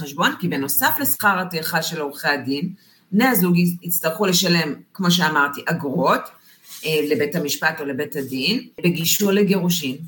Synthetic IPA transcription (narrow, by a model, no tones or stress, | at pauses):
eʃbo̞nkibe̞no̞safle̞sχaʁhateχaʃe̞loʁχeadin | bneazuɡiit͡staʁχule̞ʃale̞mkmo̞ʃ̬e̞amaʁtiʔaɡʁo̞t | le̞be̞thamiʃpato̞le̞be̞thadinbe̞ɡiʃuleɡe̞ʁuʃim